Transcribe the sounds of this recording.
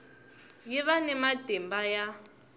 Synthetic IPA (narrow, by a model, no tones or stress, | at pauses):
jiβanɛmadɛmbaja